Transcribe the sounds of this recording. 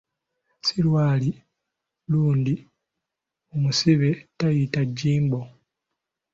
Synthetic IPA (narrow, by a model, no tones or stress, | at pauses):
silwaːli | luːndi | omusiβetajitaɟːiːmbo